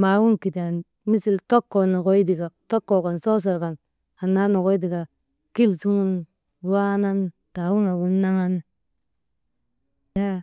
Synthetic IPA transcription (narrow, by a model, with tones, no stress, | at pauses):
ma˨wu˦nki˨ti˨a˨n | mi˦si˦lto˦kːo˨na˨ko˦i˦di˨ka˨to˦kːo˨ko˨nso˦s̬a˨ɾka˨n | a˨na˦no˨ko˦i˦di˨ka˨ | ki˦lsu˦ŋu˦n˦ | a˦na˦n | ta˨wu˦ŋa˨wu˦nːa˦ŋa˦n | ja˦